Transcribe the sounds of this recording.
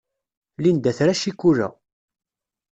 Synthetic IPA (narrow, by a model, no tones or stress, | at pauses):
lind̪æθɾæʃikːuræ̰